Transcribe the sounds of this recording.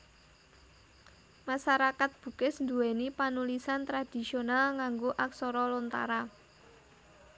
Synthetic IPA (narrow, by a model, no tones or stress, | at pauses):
maʃaɾakat̪̚b̥ṳkɪsnd̪uenipanulisant̪ɾad̥i̤sionalŋaŋɡoʔaksɔɾɔlɔnt̪a̰ɾa